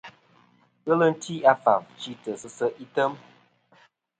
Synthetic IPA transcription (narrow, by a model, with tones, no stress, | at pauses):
ɣə˦lə˦n̩˦tʰi˦a˦fa˨vt͡ʃi˦tə˨sə˦sə˦ʔi˦tə˦m